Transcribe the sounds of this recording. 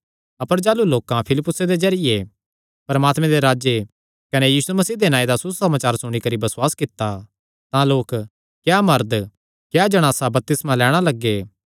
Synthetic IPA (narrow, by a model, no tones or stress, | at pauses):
ɐpəɾd͡ʒaːluloːkãpʰɪlɪpːʊsed̪ed͡ʒɐɾɪje | pɐɾmaːt̪mẽd̪eɾaːd͡ʒe | kɐnejiːsumɐsiːd̪enãːed̪asʊsɐmaːt͡ʃaːɾsʊɽ̃ikɐɾibɐswaːskɪt̪ːa | t̪ãloːk | kjaːmɐɾd̪ | kjad͡ʒɐɽ̃aːsabɐp̚t̪ɪsmãlɛːɽ̃alɐɡːeː